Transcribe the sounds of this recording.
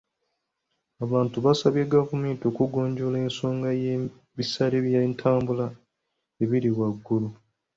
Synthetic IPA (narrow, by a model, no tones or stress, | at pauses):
aβaːntuβasaβjeːɡavume̞ːnto̞ːkuɡo̞ːɲɟo̞leːnso̞ːŋɡaje | βisaɾeβjantʰaːmbula | eβiɾiɣwaɡːulu